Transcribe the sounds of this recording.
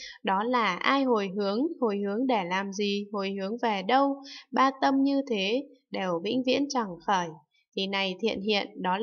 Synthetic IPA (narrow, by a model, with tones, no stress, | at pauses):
ɗɔ˨˦laː˨˩ʔaː˧jɦo˨˩jɦɨ˨˦əŋho˨˩jhɨ˨˦əŋɗe˧˩laː˨˩mzi˨˩ho˨˩jhɨ˨˦əŋvɛ˨˩ɗə˧wɓaː˧t̪ə˧mɲɨ˧t̪ʰe˨˦ | ɗe˨˩wɓḭ˧˥ŋ̟vḭ˧˥ənt͡ɕa˨˩ŋxəː˧˩j | t̪ʰi˨˩na˨˩jt̪ʰḭ˧˨ənɦḭ˧˨ənɗɔ˨˦